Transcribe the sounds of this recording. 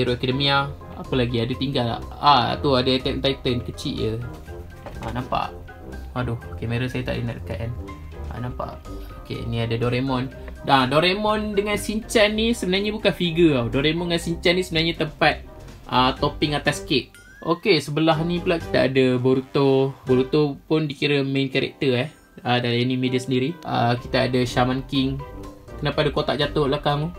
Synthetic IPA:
eɾuʔekadəmia | a̰pəlaɡiadut̪iŋɡala̰a̰t̪uadat̪ɛʔt̪ajt̪ənkət͡ʃḭʔjə | anampa̰ʔ | adʊhokemeɾusajat̪a̰ʔdəna̰ʔ̚əkat̪̚an | a̰nãmpa̰ʔokḛḭniadadɔɾemɔn | adɔɾemɔndəŋansiɲt͡ʃanːisəbənaɲabukanfiɡəawdoɾemɔndəŋansiɲt͡ʃanisəbənaɲat̪əmpat̪̚ʔət̪opɪŋat̪askɪʔ | ʔokesəbəlaɦnipəlaʔki̥t̪aa̰dəboɾut̪oboɾut̪opʊndikiɾəmenkaɾɛ̰k̚t̪əah | ədalaenimediasəndiɾiʔə̰kit̪aːdaʃamankɪŋkənapadakot̪a̰ʔd͡ʒat̪ʊʔlahkamu

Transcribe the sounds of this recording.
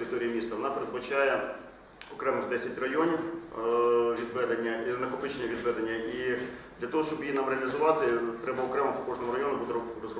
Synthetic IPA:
ɾʲɪt̪ɔɾʲijimʲist̪ɐʋɔnɑpeɾed̪̚bɐt͡ʃajɛ | ɔkɾɛmɪɣd̪ɛsʲɐtʲrɐjɔnʲiw | ʋʲid̪ʋɛd̪enʲːɐinɐkʊpɪt͡ʃnʲɛʋʲid̪ʋɛd̪enʲːɐʔid̪lʲɐt̪ɔɦɔʃt͡ʃɔbjinɑmɾeɐlʲɪzʊʋɑt̪ɪt̪ɾɛbɐɔkɾɛmɐpʊkɔʐnɔmʊɾɐjɔnʊbud̪ɛrɔzrɔ

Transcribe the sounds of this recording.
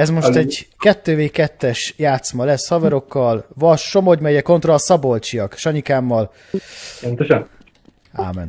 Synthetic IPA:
ɛzmo̞ʃt̪ɛɟkɛt̪ːøːveːkɛt̪ːɛʃjaːt̪smɒlɛshɒvɛɾo̞kːɒlvɒʃomoɟmɛɟɛko̞nt̪rɒːsɒbo̞lt͡ʃiɒkʃɒɲikaːmːɒl | pont̪oʃɒn | a̰ːmɛ̰n

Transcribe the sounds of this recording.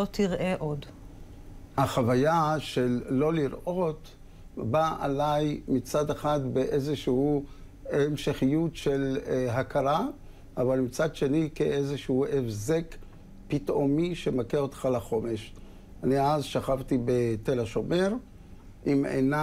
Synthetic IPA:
otiʁʔeʔod | haχavajaʃelːo̞liɾʔo̞t | baa̰lajmit͡sad̪eχatbeʔezeʃuhu | emʃeχijutʃe̞lɦakaɾa | ʔavalmit͡sadʃe̞nikeʔezeʃuhuʔefzek | pitʔomiʃemakeo̞t̪χalaχo̞meʃ | aniazʃaχaft̪ibet̪elaʃo̞meʁ | ʔimḛna

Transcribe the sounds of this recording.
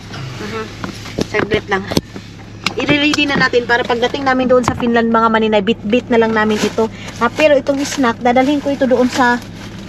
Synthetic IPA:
m̩ːm̩ | sɐɡlɛt̪laŋ | ʔɪɾɪɾiːd̪ɪnɐnaːt̪ɪnpaːɾɐpɐɡ̚d̪ɐt̪ɪŋnaːmɪnd̪oʔonsɐfinlɐnd̪̚mɐŋamɐnɪnajbɪt̪̚bɪt̪̚nɐlɐŋnaːmɪnʔɪt̪o̞ | nɐpɛːɾo̞ʔɪt̪o̞ŋʔɪsnak̚d̪aːd̪ɐlhɪŋkoʔɪt̪o̞d̪oʔonsɐ

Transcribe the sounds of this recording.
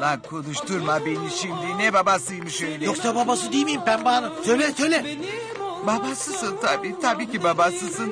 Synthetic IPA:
akʰo̞nuʃt̪ʰuɾmabeniʃimd̪inɛbabasɯjmɯʃølʲjoksababasɯd̪ijmijimbænbanasøjlʲɛsøjlʲɛ | babasɯsɯnt̪ʰabiːt̪ʰabiːcibabasɯsɯn

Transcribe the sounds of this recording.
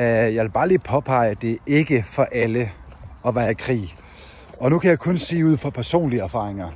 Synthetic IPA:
jɑ̈ʋelb̥ɑ̈ːli̥ːpʰɒ̽pʰɑ̈ɪ̰əd̥e̝e̝ɡ̥əfɒ̽ʔæləɒ̽ʋæɐkʰʁḭː | ɒ̽nukʰæjɑ̈ɪkʰɔ̽nse̝̰ːuð̞̰ˠfɒ̽pʰæɐso̝̰ːnliæɐfɑ̈ːʁeŋɐ

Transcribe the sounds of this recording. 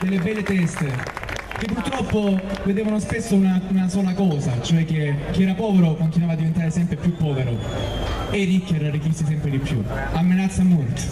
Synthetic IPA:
d̪elːebɛlːet̪ɛst̪e | k̟epːuɾt̪ɾɔpːoved̪eːvanospesːounaunasɔːlakɔːzat͡ʃoɛk̟ːekːiɛːɾapɔːveɾokont̪inwavad̪ːivent̪aɾesɛmpɾepjupːɔːveɾo | erːikːeɾarːikːisːisɛmpɾed̪ipːjṵamːenat̪sːamolt̪o̥

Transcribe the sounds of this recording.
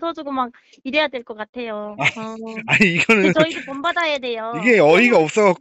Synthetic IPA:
sʰʌd͡ʑoɡomak̚ | iɾejadwe̞ɭk͈ʌk͈atʰe̞joaaɲiːɡʌnɯnt͡ɕʌiɡepombadajade̞joiɡe̞ʌiɡaʌp̚s͈ʌɣak

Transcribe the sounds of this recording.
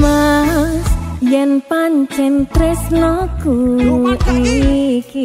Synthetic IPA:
masjɛnpaɲt͡ʃɛnt̪ɾɛsnɔkuʔiki

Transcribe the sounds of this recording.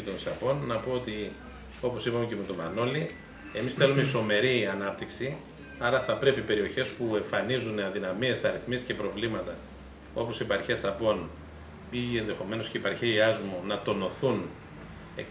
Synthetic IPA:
it̪o̞nsɐpo̞nːɐpo̞ot̪i | o̞po̞sipɐmecemet̪omɐno̞li | e̞misθe̞lumeiso̞me̞ɾiɐnɐpt̪iksi | ɐɾɐθɐpɾe̞pipe̞ɾio̞çe̞spue̞ɱfɐnizuneɐnðinɐmie̞sɐɾiθmisce̞pɾo̞vlimɐt̪ɐ | o̞po̞sipɐɾçesɐpo̞n | ie̞nðe̞xo̞me̞nosceipɐɾçeiɐzmunɐt̪o̞no̞θun | e

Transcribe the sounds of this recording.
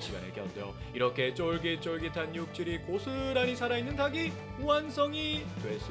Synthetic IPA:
ɕ͈iɡa̰nek͈ejʌt̚t͈e̞jo̰iɾʌkʰe̞t͡ɕ͈oɭɡit͡ɕ͈oɭɡitʰanjuk̚t͡ɕ͈iɾikosʰɯɾaɲisʰaɾainːɯntaɡi | uɦans͈ʰʌŋitwe̞ɭs͈u

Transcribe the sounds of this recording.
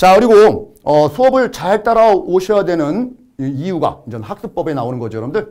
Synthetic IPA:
t͡ɕakɯɾiɡo | ʌsʰuʌbɯɭt͡ɕaɭet͈aɾaoɕʰʌjadwe̞nɯn | ijuɡa̰ind͡ʑʌnhak̚s͈ɯk̚p͈ʌbe̞naonɯnɡʌd͡ʑiʌɾʌmdɯɭ

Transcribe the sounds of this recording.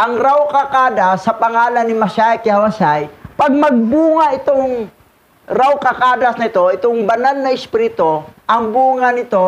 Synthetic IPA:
ʔɐŋɾawkɐkaːd̪asːɐpɐŋaːlɐnːɪmɐsajkɪhɐwɐsajpɐɡ̚mɐɡ̚buːŋɐʔɪt̪oŋ | ɾawkɐkaːd̪ɐsnɪt̪o̞ɪt̪oŋbɐnalnɐɪspiɾɪt̪oʔɐŋbuːŋɐnɪt̪o̞

